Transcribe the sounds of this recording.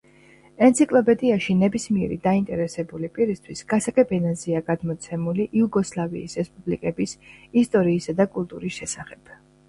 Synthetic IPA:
ɛnt̪sʰikʼlˠɔpʼɛd̪iaʃinɛbismiɛɾḭd̪aint̪ʼɛɾɛsɛbulipʼiɾist̪ʰwisɡ̥asakʼɛbɛnazɛaɡad̪mɔt̪sʰɛmuliʔiuɡɔslˠavḭːsɾɛspʼublikʼɛbisist̪ʼɔɾiːsad̪akʼulˠt̪ʼṵɾisʃɛsaχɛb̥

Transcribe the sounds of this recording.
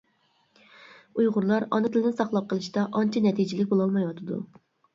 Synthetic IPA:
ujʁʊɾlˠɑɾɑ̰nɨt̪ʰɪlɪnɪsɑχlˠɑp̚qʰəlˠɨʃt̪ɑʔɑnt͡ʃʰinɛt̪ʰid͡ʒilɪk̚ʲbolˠɑlˠmɑjwɑt̪ʰɨd̪ṵ

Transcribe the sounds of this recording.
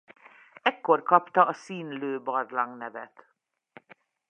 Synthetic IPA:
ɛkːo̞rkɒpt̪ɒɒsiːnløːbɒrlɒŋɡnɛvɛ̰t̪

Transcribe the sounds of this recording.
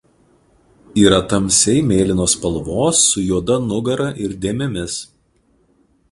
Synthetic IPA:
iːɾɐt̪ɐmʲsʲɛɪmʲeːlʲɪnoːspɐlˠʋoːsːʊjuɔd̪ɐnʊɡɐɾɐʔɪɾd̪ʲeːmʲɛmʲɪs

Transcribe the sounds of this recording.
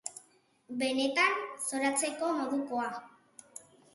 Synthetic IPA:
be̞ne̞t̪anso̞ɾat͡se̞ko̞mo̞ðukoa

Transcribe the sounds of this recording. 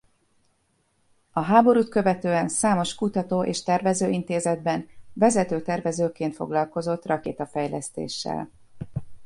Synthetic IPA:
ɒɦaːbo̞ɾuːt̪kø̞vɛt̪øːɛnsaːmo̞ʃkut̪ɒt̪oːʔeːʃt̪ɛrvɛzøːʔint̪eːzɛd̪bɛnvɛzɛt̪øːt̪ɛrvɛzøːkeːnt̪fo̞̰ɡlɒlko̞zo̞t̪rɒkḛːt̪ɒfɛjlɛst̪ḛːʃːɛ̰l

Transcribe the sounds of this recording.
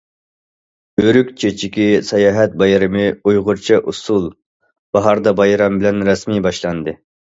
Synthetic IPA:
øɾykʲt͡ʃʰet͡ʃʰikʲisɑjɑːɦɛt̪̚bɑjɾɨmɨujʁʊɾt͡ʃʰiʔusulˠ | b̥ɑɦɑɾd̪ɑbɑjɾɑmbɪlɛnɾɛsmibɑʃlˠɑnd̪ɨ

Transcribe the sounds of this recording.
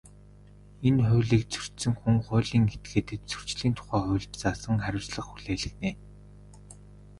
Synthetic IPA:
enχʊ̟ːɮiːk̚t͡sʰɵ̥r̥t̪sɵ̆ŋxuŋχʊːɮiːŋet̪̚ɡeːt̪ɘ̆t̪t͡sɵ̥r̥t͡ɕɮiːnt̪ʰʊ̥χæːχʊ̟ːɮt͡ɕt͡saːsə̆ŋχæɾʲʊ̆wsɮə̆χxuɮeːɮɘ̆xneː

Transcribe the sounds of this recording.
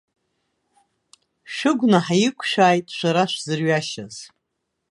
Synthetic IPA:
ʃʷᶣʊɡʷnaħajɪkʷʰʼʃʷᶣaːjtʼʃʷaɾaʃʷzɨrɥaʃaz̥

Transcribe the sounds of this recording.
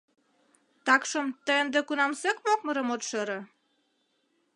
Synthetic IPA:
t̪ɑkʃə̆mt̪əənd̪ĕkunɑmsekmok̚mɤ̆ɾɤ̆mot̪ʃeɾɤ̆

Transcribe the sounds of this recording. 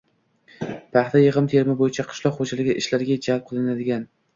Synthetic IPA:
pʰɑχt̪ʰajɨʁɨmt̪ʰe̞ɾmɪbojɪt͡ʃʰaqʰɨ̥ʃlˠɒqχod͡ʒalɪɡʲɪʔɪʃlaɾɡʲad͡ʒalp̚qʰɨlˠɪnad̪ɪɡʲan

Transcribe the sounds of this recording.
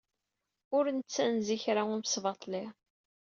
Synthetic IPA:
ʊɾnət͡sːænziçɾaʊɾmsvɑt̪ˤli

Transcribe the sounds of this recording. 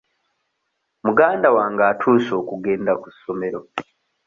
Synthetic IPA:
muɡaːndawaːŋɡaːtʰuːso̞ːkuɡe̞ːndakusːo̞me̞ɾo̞

